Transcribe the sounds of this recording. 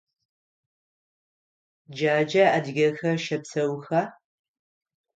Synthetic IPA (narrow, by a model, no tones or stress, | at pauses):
d͡ʒaːd͡ʒɐadɣʲɐxɐʃɐpsɐwxa